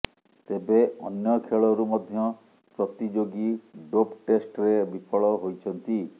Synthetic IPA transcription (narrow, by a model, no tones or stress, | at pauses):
t̪ebeɔnjɔkʰeɭɔɾumɔd̪ʱjɔ | pɾɔt̪id͡ʒoɡiɖopʈesʈɾebipʰɔɭɔɦojt͡ʃʰɔnt̪i